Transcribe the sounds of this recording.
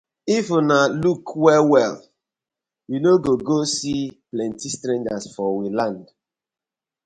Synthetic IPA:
ifunalukʰwɛwɛl | winoɡoɡosiplɛ̃ntistɾɛ̃nd͡ʒasfɔwilãnd

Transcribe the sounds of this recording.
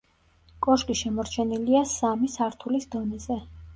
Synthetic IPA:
kʼɔʃkʼiʃɛmɔɾt͡ʃʰɛniliasamisaɾt̪ʰulisd̪ɔnɛzɛ

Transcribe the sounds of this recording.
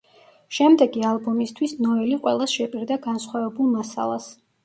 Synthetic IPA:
ʃɛmd̪ɛɡialˠbɔmist̪ʰwisnɔɛliqʼwɛlˠasʃɛpʼiɾd̪aɡansχwavɛbulˠmasa̰lˠas

